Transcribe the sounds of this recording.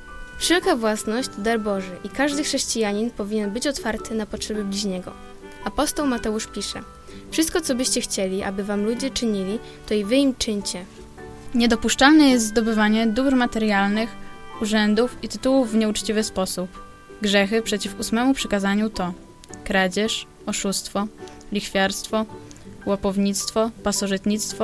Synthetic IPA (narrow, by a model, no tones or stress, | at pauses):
fʂɛlkavwasnɔʑd͡ʑd̪aɾbɔʐɘʔikaʐd̪ɘxʂɛɕt͡ɕijaɲinpɔvʲiɲɛnbɘt͡ɕɔt̪faɾt̪ɘnapɔtʂɛbɘblʲiʑɲɛɡɔ̰ | apɔst̪ɔwmat̪ɛuʂpʲiʂɛ̰ | fʂɨst̪kɔt̪sɔbɘɕt͡ɕɛxt͡ɕɛlʲiʔa̰bɘvamlud͡ʑɛt͡ʂɘɲilʲi | t̪ɔivɘimt͡ʂɘɲt͡ɕɛ | ɲɛd̪ɔpuʂt͡ʂalnɛjɛst̪zd̪ɔbɘvaɲɛd̪ubɾmat̪ɛɾjalnɘxuʐɛnd̪ufit̪ɘt̪uwuvːɲɛut͡ʂt͡ɕivɘspɔsup | ɡʐɛxɘpʂɛt͡ɕifusmɛmupʂɘkazaɲut̪ɔ | kɾad͡ʑɛʂ | ɔʂust̪fɔlʲixfʲjaɾst̪fɔwapɔvɲit̪st̪fɔpasɔʐɨt̪ɲit̪st̪fɔ